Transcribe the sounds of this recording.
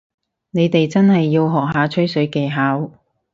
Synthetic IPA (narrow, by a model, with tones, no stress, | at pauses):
ne˨˧jt̪e˨jt͡sɐ˥nhɐ˨jːiː˧wɦɔː˨k̚ɦaː˨˧t͡ʃʰɵ˥jsɵ˨˥ɥke˨˧jɦaː˨˥w